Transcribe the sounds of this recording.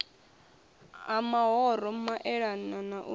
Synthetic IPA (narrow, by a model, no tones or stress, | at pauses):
amaɦɔɾɔmaʔɛɺananaʔu